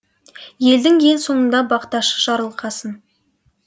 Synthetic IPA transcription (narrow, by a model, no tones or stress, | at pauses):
je̞ld̪ɪŋje̞lso̞ɴənd̪ɑbɑqt̪ɑʃə̥ʒ̥ɑɾəlˠqʰɑsən